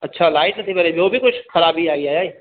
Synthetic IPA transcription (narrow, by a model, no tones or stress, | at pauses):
ɐtːʃʰalaːɪʈnɐt̪ʰibɐɾebʱiobʱikʊt͡ʃʰxɐɾaːbʱiaːɡiaːjaːi